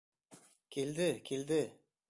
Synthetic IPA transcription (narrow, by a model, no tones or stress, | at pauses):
kʲʰeld̪ɪkʲʰeld̪ɪ